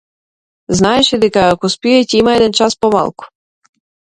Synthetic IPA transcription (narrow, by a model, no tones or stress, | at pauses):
znaeʃɛd̪ɛkaːkɔspiɛtʲɛimaɛd̪ɛnt͡ʃaspoma̰lˠku̥